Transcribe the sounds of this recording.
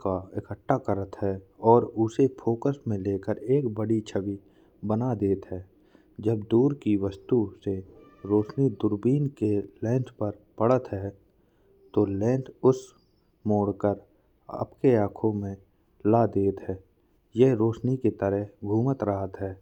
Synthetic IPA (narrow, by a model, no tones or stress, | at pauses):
kaɪkəʈːakəɾət̪ɦɛɔːɾʊsefʰoːkəsmẽleːkəɾeːkbəɽit͡ʃʰəbi | bənad̪eːt̪ɦɛː | d͡ʒəbd̪uːɾkiʋəst̪use | ɾoːʃnid̪ʊɾbiːnkelɛ̃ːɳʈpəɾpəɽət̪ɦɛː | t̪olɛ̃ːɳʈʰʊs | moːɽkəɾ | ə̰pkeaːkʰõmẽ | lad̪eːt̪ɦɛː | jeɦɾoːʃniket̪əɾəɦɡʱuːmət̪ɾəɦət̪ɦɛː